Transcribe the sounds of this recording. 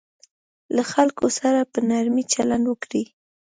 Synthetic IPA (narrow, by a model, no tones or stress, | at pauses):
laxalkosaɾapənaɾmit͡ʃaland̪wəkɽi